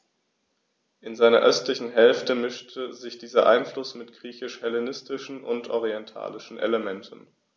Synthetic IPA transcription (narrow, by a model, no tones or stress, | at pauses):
ʔɪnzaɪnɐ̰ʔœstlɪçn̩ɦɛlftəmɪʃtʰəzɪçd̥iːzɐʔa̰ɪnflʊsmɪtɡ̥ʁiːçɪʃhɛlenɪstɪʃn̩ʔʊntʔɔʁiɛntʰa̰ːlɪʃn̩ʔḛləmɛntʰən̩